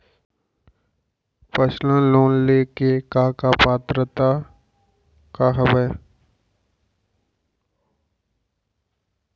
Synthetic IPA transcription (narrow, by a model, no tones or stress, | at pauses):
pəslãloːnleːkekaːkapaːt̪ɾət̪a | kaɦəbəj